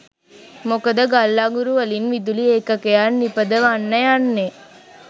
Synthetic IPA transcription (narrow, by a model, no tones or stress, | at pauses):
mokəd̪əɡalːaːŋɡuɾuʋəlinʋid̪ulieːkɐkejanipəd̪əʋanːɐjanːe